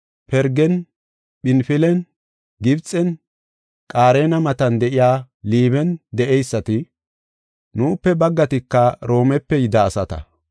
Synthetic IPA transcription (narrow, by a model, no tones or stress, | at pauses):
pɛɾɡɛn | ɓɪnfɪlɛn | ɡɪbt͡sʼːɛn | kʼaːɾeːnɐmɐt̪ɐnd̪ɛʔɪjaː | liːβɛnd̪ɛʔɛjsːɐt̪ɪ | nuːpːɛbɐɡːɐt̪ɪkːɐɾo̞ːmɛpːɛjɪd̪ɐːsɐt̪ɐ̰